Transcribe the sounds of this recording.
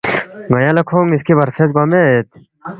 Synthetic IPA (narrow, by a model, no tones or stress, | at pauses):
ɡɐjãːlɐkʰoːŋiskebɐɾfeːzɡaːmẽeːt̪̚